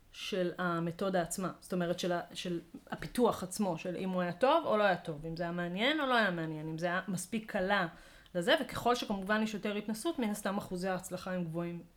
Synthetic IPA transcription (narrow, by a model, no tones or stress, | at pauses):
ʃe̞lame̞to̞daːt͡smasto̞me̞ʁetʃelaʃe̞lapituaχat͡smo̞ʃe̞lʔḭmuajato̞volo̞ajato̞vimzeajameanje̞no̞lo̞ajameanje̞nimzeajamaspikʰːala | leze̞veke̞̥χo̞lʃekamuvaniʃjote̞ʁit̪nasutminast̪amaχuzaːt͡slaχaimɡvo̞im